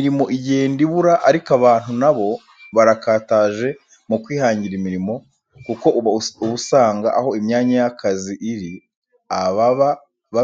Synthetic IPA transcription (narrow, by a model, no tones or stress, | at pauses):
iɾimo̞ʔiɟe̞ːndiβuɾaʔaɾikaβaːn̥hunaβo̞ | βaɾakaːtaːʒe̞ | mukwiːhaːɲɟiɾimiɾimo̞ | kuko̞ʔuβusaːŋɡaʔaho̞imɲaːɲajakʰaziʔiɾi | aβa | βa